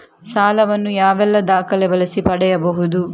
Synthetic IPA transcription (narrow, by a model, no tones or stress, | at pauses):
saːlɐʋɐnːujaːʋɛlːɐd̪aːkɐlebɐlɐsipɐɽɛjɐbɐɦud̪u